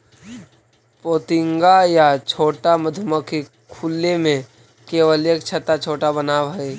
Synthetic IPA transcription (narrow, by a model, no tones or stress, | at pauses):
poːt̪ɪŋɡajat͡ʃʰoːʈaməd̪ʱʊməke | kʰulːemẽ | keːʋəlekt͡ʃʰət̪at͡ʃʰoːʈabənaːʋɦɐe